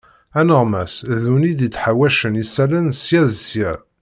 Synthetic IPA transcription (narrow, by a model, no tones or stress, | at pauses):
ænəʁmæsðunid̪it͡sːħawæʃənisælənsjæðsjæ